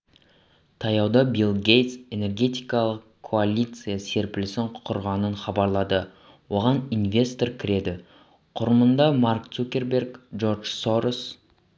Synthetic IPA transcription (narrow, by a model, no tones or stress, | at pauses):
t̪ʰɑjɑwd̪ɑbilˠɡʲe̞jt̪se̞ne̞rɡʲe̞t̪ijkɑlˠəqkʰːo̞alʲit̪sɨjase̞ɾpɪlɪsɪɴqʰʊɾʁɑnəɴχɑbɑɾlˠɑd̪ə | wo̞ʁɑninve̞st̪o̞ɾkʲʰɪɾe̞d̪ɪ | qʰʊɾəmənd̪ɑmarkt̪sukʲe̞ɾbʲe̞rkʒo̞rʒ̥so̞ɾos